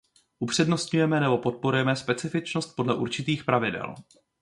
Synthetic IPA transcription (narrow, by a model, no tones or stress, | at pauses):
ʔupr̝̥ɛdno̞st̪ɲujɛmɛnɛbo̞po̞t̪̚po̞ɾujɛmɛspɛt͡sɪfɪt͡ʃno̞st̪̚podlɛʔuɾt͡ʃɪt̪iːxpɾavɪdɛ̰l